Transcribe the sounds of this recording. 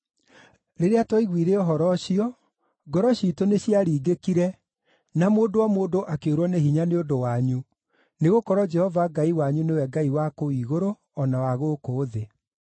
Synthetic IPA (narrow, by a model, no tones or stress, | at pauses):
ɾeɾeatwɔiɣwiːɾeɔɦɔɾɔɕiɔ | ɡɔɾɔɕitoneɕiaɾiːɡekiɾɛ | namoːndowamoːdoʔakeoɾwɔneɦiɲaneondowaɲu | neɣokɔɾɔd͡ʒɛhɔvaɡaiwaɲunewɛɡaiwakoiɣoɾo | ɔnawaɣokoːðe